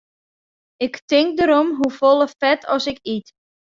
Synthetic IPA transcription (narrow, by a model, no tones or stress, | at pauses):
ɪktɪŋk̚dəɾɔmɦufolˠəfɛtʰɔsɪkit